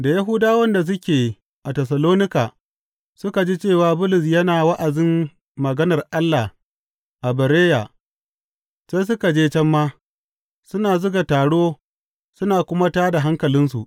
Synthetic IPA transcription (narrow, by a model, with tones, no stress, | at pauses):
da˨ja˦ɦʊ˦daː˦wɐ˦nda˨s̬ʊ˦kʲeː˨ | ʔa˨tɛ˨s̬ɐ˨loː˦nɪ˦kaː˨ | sʊ˦ka˨d͡ʒiː˦t͡ʃeː˦˨waː˦bʊ˦lʊ˨s̬jɐ˦naː˨wɐ˦ʔa˨dɪ˦m | mɐ˨ɡɐ˦nɐ˨rʔa˦lːa˨h | ʔa˨bɐ˨ɾeː˦ja˨ | seː˦js̬ʊ˦ka˨d͡ʒeː˦t͡ʃɛ˦mːaː˦ | sʊ˦naː˨zʊ˦ɡa˨taː˨ɽoː˦ | sʊ˦naː˨kʷʊ˦ma˦taː˦da˨ɦa˦ŋkɐ˨lɪ˦nsṵ˨ʔ